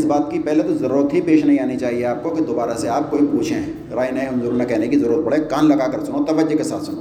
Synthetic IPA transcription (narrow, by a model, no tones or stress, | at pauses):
sbaːt̪kipɛɦlet̪ozɐɾuːɾət̪ɦipeːʃnɐɦĩaːnit͡ʃaːɦieaːp̚kokid̪oːbaːɾaseaːp̚koːipuːt͡ʃʰẽɦɛ̃ | ɾaːinɐeɦʊ̃nzuːɾonekɛɦnekizɐɾuːɾət̪̚bɐɽekaːnlɐɡaːkɐɾsʊnot̪ɐʋəd͡ʒokesaːt̪ʰsʊno̰ː